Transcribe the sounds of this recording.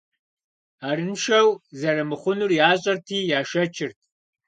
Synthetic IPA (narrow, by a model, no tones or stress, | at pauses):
aːɾɨnʃɐwzɐɾɐmɨχʷʊnurjaːɕʼɐrtʰiːjaːʃɐt͡ʃʰɪrtʰ